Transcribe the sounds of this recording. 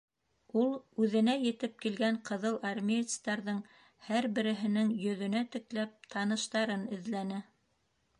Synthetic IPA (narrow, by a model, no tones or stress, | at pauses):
ulˠʉðɘ̆næjɘ̆t̪ɘp̚kilɡæɴqɤ̆ðɤlˠɑrmʲet̪st̪ɑɾðɤɴ | hæɾbɘ̆ɾɘ̆ɦɘ̆nɘŋjɵ̆ðɵ̆næt̪ɘ̆klæp̚t̪ʰɑnɤ̆ʃt̪ɑɾɤnɘ̆ðlænɘ